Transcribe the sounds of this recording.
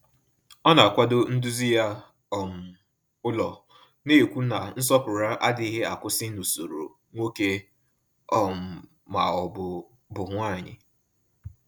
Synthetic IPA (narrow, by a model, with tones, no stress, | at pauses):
ɔ˦na˨kʷa˦dʊ˦n̩˦du˦zi˦ja˦ | ɔ˨m̩˨ | ʊ˦lɔ˨ | ne˦˨kʷu˦na˨n̩˦s̬ɔ˦pʊ˨ɾa˦ʔa˦dɪ˨˦ɦe˦a˨kʊ˦sɪ˦no˨so˨ɾo̰˨ | ŋʷo˦ke˦ | ɔ˦m̩˨ | ma̰˨ɔ˨ | bʊ˨ŋʷa˦˨ɲɪ̰˨